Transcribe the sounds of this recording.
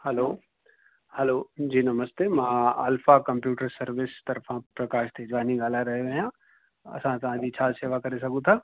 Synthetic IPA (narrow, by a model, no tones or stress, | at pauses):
hɛloː | hɛloːd͡ʑiːnɐməst̪emãə̰lfakɐ̃mpjuːʈəɾsɐɾʋɪst̪ɐɾfʰãpɾɐkaːʃt̪ʰed͡ʒʋaːnĩɡaːlaɾɐɦeejã | ɐ̰sãt̪ɐʋ̤ãd͡ʑit͡ɕʰaːseːʋakɐɾes̬ɐɡũt̪ʰaː